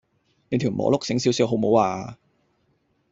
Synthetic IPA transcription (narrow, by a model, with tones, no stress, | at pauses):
ne˧˥t̪ʰiː˨˩wmʔɔ̰ː˨˥lʊ˥k̚sɪ˨˥ŋsiː˨˥wsiː˨˥wɦo˨˥wmo˨˥waː˧